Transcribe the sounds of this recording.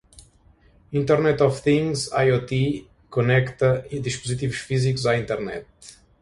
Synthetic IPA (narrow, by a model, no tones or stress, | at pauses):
ĩnt̪ɛɾnɛt̪ɔfθĩŋzajot̪i | konɛkt̪ɐid̪iʃpuzit̪ivuʃfizikuzaĩnt̪ɛɾnɛ̰t̪